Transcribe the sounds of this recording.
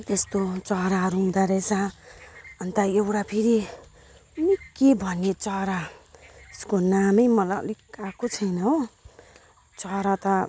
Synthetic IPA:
t̪est̪ot͡sʌɾaɾumd̪aɾet͡sʰa | ʌnt̪ʌewɽapʰeɾi | nikebʱʌnːet͡sʌɾa | skonamʌjmʌla̰likakot͡sʰʌjnʌɦo | t͡sʌɾat̪ʌ

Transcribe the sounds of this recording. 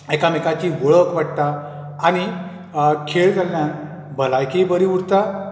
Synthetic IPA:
ekamekat͡ɕiːʋəɭəkʋaɽt̪aː | ɽ̃i | kʰeɭd͡zaljan | bʱəlajkibəɾiuɽt̪a

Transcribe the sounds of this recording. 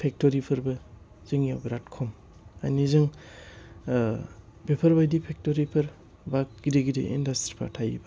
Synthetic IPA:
pʰek̚toɾipʰɐɾbɐ | zɯŋijawbeɾatkʰɔm | a̰jnizɯŋ | bepʰɐɾbajdipʰek̚toɾipʰɐɾ | bak̚ɡ̥ideɡidḛʔḭndastɾi̥pʰa̰tʰajḭba

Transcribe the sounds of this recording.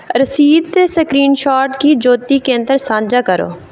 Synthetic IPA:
ɾəsiːd̪t̪eːsəkɾiːnʃaːɾʈkiːd͡ʒoːt̪iːkẽːnt̪əɾsãːd͡ʒaːkəɾo̰ː

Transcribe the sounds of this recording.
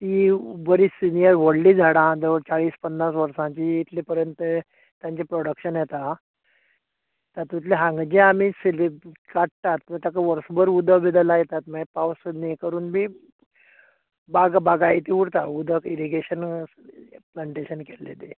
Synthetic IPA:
t̪ibəɾiːsinijəɾʋoɽlid͡zʱaɽãd͡z̪eʋəɾt͡saɭiːspənːasʋəɾsãt͡ɕiːt̪lepəɾjənt̪ | t̪jãɲt͡ɕepɾoɽəkɕənjet̪a | t̪at̪ũt̪leɦãŋɡd͡ʑẽamisilikaʈt̪at̪mət̪jakaʋəɾsbəɾud̪ʱəbid̪əlajet̪at̪mepawsəd̪nikəɾuːnbʱiː | baɡbaɡajit̪iuɽt̪aud̪ʱəkiɾiɡeɕən | plaɳʈeɕənkelːḛt̪e

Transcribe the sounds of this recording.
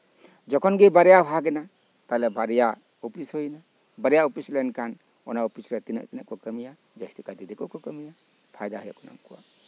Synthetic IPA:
d͡ʒɔkʰɔnɡebaɾjapʰaɡena | talebaɾeja | opʰishɔjna | baɾejaopislenkan | ɔ̰naopʰisɾetina̰k̚tinakɔkəmija | d͡ʒastikadidekɔkʰɔkamija | pʰajdaɦɔjakɔna̰ŋkuwa̰

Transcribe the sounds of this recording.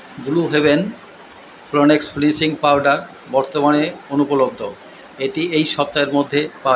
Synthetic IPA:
d̪uluɦeβen | flonekspɾinsiŋpawɖaɾ | bɔɾt̪omaneonupolod̪ʱːo | eʈiejʃɔp̚t̪aeɾmod̪ʱːepa

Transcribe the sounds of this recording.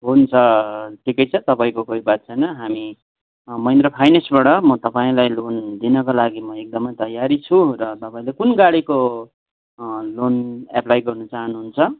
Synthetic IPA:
ɦunt͡sʰʌʈʰikʌjt͡sʰʌt̪ʌpaĩkokoibat̪̚t͡sʰʌjnʌɦami | mʌind̪ɾʌpʰajnesbaɽʌmʌt̪ʌpaĩlajlond̪inʌkolaɡimʌek̚d̪ʌmʌjt̪ʌjaɾit͡sʰurʌt̪ʌpaĩlekunɡaɽiko | lonaplajɡʌrnʌt͡saɦʌnɦunt͡sʰʌ

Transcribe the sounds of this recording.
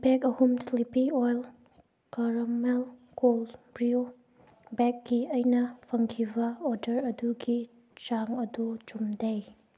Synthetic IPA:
bɛkɐhumslipiojl | kɐɾɐmelkolbɾio | bɛk̚ɡiɐjnɐpʰɐŋkʰibɐɔdɐɾɐduɡi | t͡ʃaŋɐdut͡ʃumdej

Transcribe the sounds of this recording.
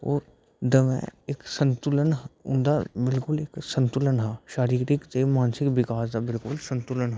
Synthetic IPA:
ɔːɾ | d̪ɐʋɛ̰̃eksə̃nt̪ʊlənɦʊ̰̃nd̪abɪlkʊleːksə̃nt̪ʊlənɦaːʃaːɾiːɾɪkt̪emaːnsɪkʋɪkaːsd̪abɪlkʊlsɐ̃nt̪ʊlənɦa

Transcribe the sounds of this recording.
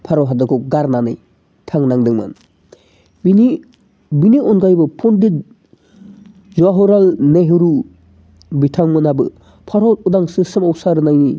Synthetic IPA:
pʰaɾɔɦadaɡɔɡaɾnanɯj | tʰaŋnaŋdɯŋma̰n | bini | biniɔnɡajbɯpʰɔndit | zaɦɔɾalneɦɯɾu | bitʰaŋmɯnabɯ̰ | pʰaɾɔudaŋsɯsɯmawsaɾɯnajni

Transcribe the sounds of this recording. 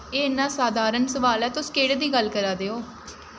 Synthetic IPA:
eːɪnãːsaːd̪ʱaːɾənsəʋaːlɛːt̪ʊskeːɽd̪iːɡəlkəɾaːd̪eːoː

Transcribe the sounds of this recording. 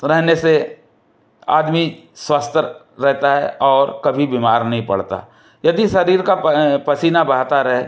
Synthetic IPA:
ɾɛɦnese | a̰ːd̪mi | swaːst̪ | ɾɛɦt̪aɦɛ̰ʔɔːɾkɐbʱibiːmaːɾnɐɦĩpɐ̰ɽt̪a̰ | jɐd̪iʃɐɾiːɾkapɐsiːnabɐɾt̪aɾɦe

